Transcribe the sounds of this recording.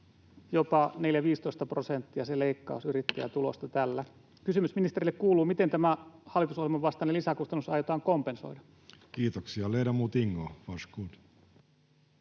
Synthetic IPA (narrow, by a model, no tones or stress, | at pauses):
jopɑne̞ljæʋiːst̪oist̪ɑprosent̪ːiɑseleikːɑ̰usyɾit̪ːæjæ̰t̪ulo̰st̪ɑt̪ælːæ | kysymysminist̪erilːekkuːluːmit̪e̞nt̪æmæhɑlːˑit̪usohjelmɑʋʋɑst̪ɑːnelisækust̪ɑnːusɑjot̪ɑːŋkompenso̞̰idɑ | kiːt̪oksiɑleidɑmut̪iŋːofɑʃkuːt̪